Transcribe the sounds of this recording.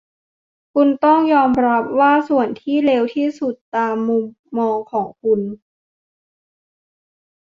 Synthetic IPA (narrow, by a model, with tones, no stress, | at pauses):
kʰu˧nt̪ɔ˥˩ŋjɔː˧mɾa˦˥p̚waː˥˩su˨˩ənt̪ʰiː˥˩le˧wt̪ʰiː˥˩su˨˩t̪ːaː˧mːu˧mːɔː˧ŋkʰɔː˩˦ŋkʰu˧n